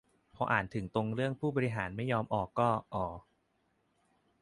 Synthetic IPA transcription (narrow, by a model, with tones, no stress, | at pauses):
pʰɔː˧ʔaː˨˩nt̪ʰɯ˩˦ŋt̪o˧ŋɾɯ˥˩əŋpʰuː˥˩bɔː˧ɾi˧ɦaː˩˦nma˥˩jːɔː˧mʔɔː˨˩kːɔː˥˩ʔɔː˨˩˦